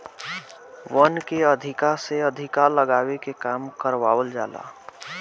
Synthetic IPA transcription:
ʋənkeəd̪ʱikaseəd̪ʱikaləɡaːwekekaːmkəɾʋaʋəld͡ʒa̰ːla̰

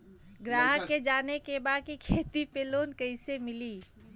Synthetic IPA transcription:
ɡɾaːɦəkːed͡ʒaːnekebakikʰeːt̪ipeloːnkəɪsemɪli

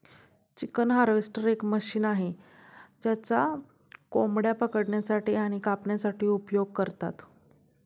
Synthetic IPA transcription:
t͡ɕikənɦaɾʋesʈəɾekməɕiːnaɦe | d͡ʑjat͡sa | komɽjapəkəʈɳjasaʈiːaɽ̃ikapɳjasaʈiːupjoɡ̚kəɾt̪a̰t̪

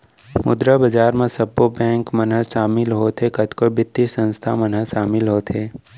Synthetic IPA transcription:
mʊd̪ɾəbɐd͡ʒaːɾmẽsɐbːobɛ̃ːŋkmɐnɦəʃaːmɪlɦot̪ʰekɐt̪kobɪt̪ːisə̃nst̪ʰamɐnɦəʃaːmɪlɦoːt̪ʰeː

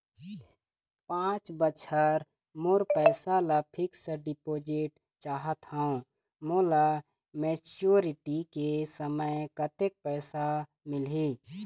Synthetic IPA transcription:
pãːt͡ʃbəʃʰəɾ | moːɾpɛːsalapʰɪksəɖɪpoːd͡ʒɪʈ | t͡ʃaːɦət̪haũ | moːla | meːt͡ʃoːɾɪʈikesəməjkət̪ek̚pɛːsa | mɪliː

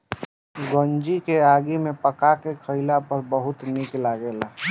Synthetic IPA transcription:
ɡond͡ʒikeaːɡimepəkakekʰəɪlapəɾbəɦʊt̪niklaɡeːla

